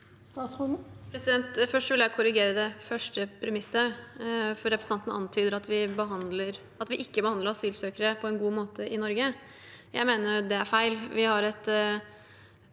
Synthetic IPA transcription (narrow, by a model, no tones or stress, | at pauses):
st̪ɑsɔəpʰɾɛsɪd̪ɛnt̪fœʂʈʋɪljæɪkʰʊɾɪɡeːɾəd̪ɛfœʂʈəpʰɾɛmɪsːə | fɔɾɛpɾəsnɑnt̪ənəʔɑ̰nt̪ʰyːd̪əɾɑt̪ʋɪbəɦɑnd̪ləɾ | ɑt̪ʋɪʔɪkːəbəhɑnd̪əɾɑsyːlsøːkəɾəpʰɔɛnɡuːmoːt̪əʔɪnɔɾɡə | jæ̰ɪmeːnəjd̪ɛæɾfæɪlʋɪhɑɾɛt̪